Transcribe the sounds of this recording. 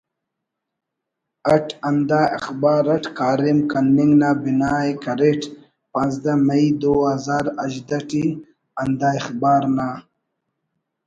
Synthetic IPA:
aʈand̪aɪ̰xbɑːɾaʈkaːɾimkanːiŋɡnabinaːjkaɾeʈ | pãnzd̪amaid̪oazaːɾaʒd̪aʈi | and̪aːɪxbɑːɾna

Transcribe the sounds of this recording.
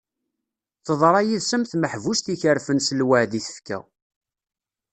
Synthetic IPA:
θəðˤɾˤɑjiðsəmθməħvust̪içəɾfənsəlwəʕðiθə̥fkæ̰

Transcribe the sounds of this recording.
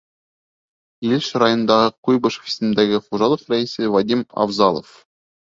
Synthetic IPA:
ilʃɾɑjonɤnd̪ɑʁɤqujbɤʃə̥fi̥sɘ̆nd̪æɡɘfuʒɑlˠɤqɾæisɘvad̪ʲimɑ̰vzɑlˠo̰f

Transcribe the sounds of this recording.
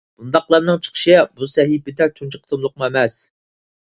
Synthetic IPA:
b̥und̪ɑqlˠɑɾnɨŋt͡ʃʰə̥qʰə̥ʃɨbusɛɦipɪd̪ɛt̪ʰunt͡ʃʰɨqʰə̥t̪ʰəmlˠʊqməemɛs

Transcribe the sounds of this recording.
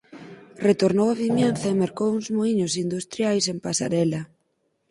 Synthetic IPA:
ret̪oɾnowaβimjenθɐemeɾkowuŋzmoiɲosind̪ust̪ɾjajsempasa̰ɾɛlɐ

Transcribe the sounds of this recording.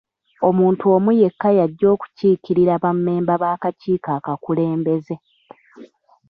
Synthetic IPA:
o̞muːntuo̞muje̞kːajaɟːo̞ːku̥ciːkiɾiɾaβamːe̞ːmbaβaːkaciːkaːkakule̞ːmbe̞ze̞

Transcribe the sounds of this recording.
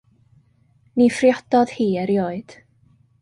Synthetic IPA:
nifrjɔd̥ɔð̥hiːəɾjoːɨd̥

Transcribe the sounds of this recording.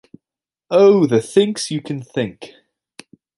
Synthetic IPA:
oʊðəθɪ̃ŋksjɨkʰə̃nθɪ̃ŋk

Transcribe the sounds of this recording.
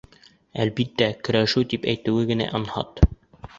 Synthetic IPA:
ælbit̪ːækɵ̆ɾæʃɘwt̪ipæjt̪ɘ̆wɘɡɘ̆næ̰ʔonhɑ̰t̪

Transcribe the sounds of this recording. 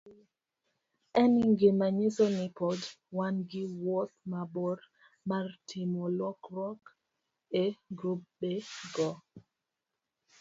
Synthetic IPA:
ɛniŋɡemaɲisɔnipɔd | wanɡiwɔt̪̚mabɔɾ | maɾtʰimɔlɔkɾɔk | eɡɾup̚ɓeɡɔ

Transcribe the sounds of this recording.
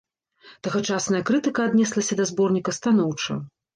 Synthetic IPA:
t̪ɐɣɐt͡ʂasnɐjɐkɾɨt̪ɨkɐad̪nʲɛslˠɐsʲɐd̪ɐzbɔrnʲikɐst̪an̪ɔwt͡ʂɐ̰

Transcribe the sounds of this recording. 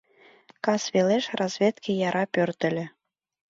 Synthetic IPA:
kɑsβʲeleʃrɑzvʲet̪kʲʰijɑɾʔɑpʲørt̪ɘ̆lʲɘ̆

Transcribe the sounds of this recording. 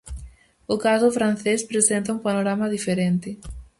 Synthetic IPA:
ʊkazʊfɾanθespɾesent̪ɐũmpanoɾamaðifeɾent̪ɪ

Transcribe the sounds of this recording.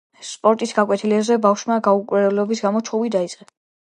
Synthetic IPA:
spʼɔɾt̪ʼisɡakʼwɛt̪ʰilɛbzɛbafʃmaɡaukʼuɾɛlɔbisɡamɔt͡ʃʰɔvid̪ait̪sʼqʼɛ

